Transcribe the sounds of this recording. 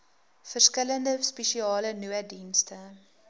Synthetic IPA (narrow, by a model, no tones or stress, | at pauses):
fərskələndəspɛʃiɑːlənyədinstə